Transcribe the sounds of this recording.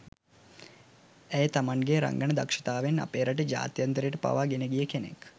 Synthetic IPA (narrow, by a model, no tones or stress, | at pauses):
ejt̪ɐmɐnɡeːɾɐ̰ŋɡɐɳɐd̪ɐkʂɐ̥t̪aːʋenɐ̰peːɾɐʈid͡ʒa̰ːt̪jɐnt̪ɾeʈəpɐ̰ʋaːɡeneɡijəkenḛk